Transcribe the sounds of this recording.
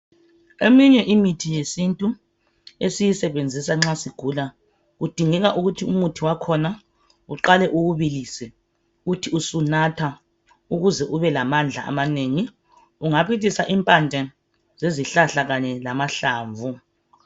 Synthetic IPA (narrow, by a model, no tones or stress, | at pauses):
emiɲɛʔimitʰijesintʼu | esijisɛβend͡zʱisaŋ͡ǁasiɡ̥ʱula | ɣud̥ʱiŋɛɣaʔuɣutʰiumutʰiwakʰɔna | uǃalɛʔuɣuβilisɛ | ɣutʰiusunatʰa | uɣuzɛʔuβɛlamand͡ɮʱa̰ʔa̰maneŋi | uŋapʰit̬ʰʼisaʔimpʼand͡ʒʱɛ | z̥eziɬaɬaɣaɲɛlamaɬaːɱvu